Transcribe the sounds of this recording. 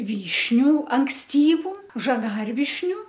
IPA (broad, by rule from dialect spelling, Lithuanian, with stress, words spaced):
ˈʋʲiːʃʲnʲʊ ɐŋksʲˈtʲiːʋʊ ʒɐˈɡɐrʲʋʲɪʃʲnʲʊ